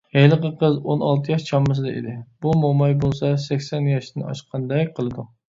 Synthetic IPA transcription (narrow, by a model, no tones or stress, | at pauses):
hejlˠəqəqʰəzonɑlˠt̪ʰɨjɑʃt͡ʃʰɑmːɨs̬ɨd̪ɛḛd̪ɪbumomɑjbolˠsɑsɛkʲsɛnjɑʃt̪ɨnɑ̰ʃqʰɑnd̪ɛjqʰəlˠɨd̪u